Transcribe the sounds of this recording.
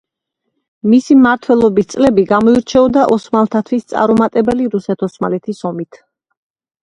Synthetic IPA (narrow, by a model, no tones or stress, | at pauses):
misimmaɾt̪ʰwɛlˠɔbist̪sʼlɛbiɡamɔiɾt͡ʃʰɛɔd̪aʔɔsmalˠt̪ʰat̪ʰwist̪sʼa̰ɾɔmat̪ʼɛbɛliɾusɛt̪ʰɔsma̰lɛt̪ʰisɔmit̪ʰ